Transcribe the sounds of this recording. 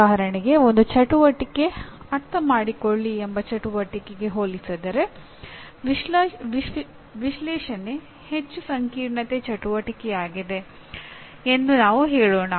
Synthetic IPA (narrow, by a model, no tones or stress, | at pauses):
aːɦɐɾɐɳiɡe̞o̞nd̪ut͡ʃɐʈuʋɐʈikːe̞ | ɐɾt̪ɐmaːɽikoɭːiembɐt͡ʃɐʈuʋɐʈikeɡe̞ɦoːlisɐd̪ɐɾe̞ | ʋiʋi | ʋiʃlɛːʃɐne | het͡ʃːusɐŋkiːɾɳɐt̪et͡ʃɐʈuʋɐʈikɛjaːɡid̪e̞ | end̪unaːʋuɦeːɭoːnɐ